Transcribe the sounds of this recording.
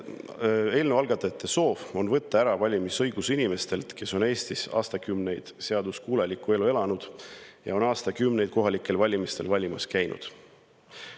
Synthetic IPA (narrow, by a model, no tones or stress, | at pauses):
e̞ːlnevɑlɡ̥ɑt̪ːˑɑt̪ːˑeso̞ːvo̞nvɤt̪ːɑæɾɑvɑlʲimisɤ̞jɡ̥usinime̞st̪e̞lt̪ke̞so̞ne̞ːsʲt̪isɑ̰ːst̪ɑkymne̞jd̪̥se̞ɑd̪uskuːlɑlʲikːˑue̞lue̞lɑnud̪̥jɑ̰o̞nɑːst̪ɑkymne̞jd̪̥̚ko̞ɦɑlikːˑe̞lvɑlʲimist̪e̞lvɑlʲimɑskæjnʔṵd̪̥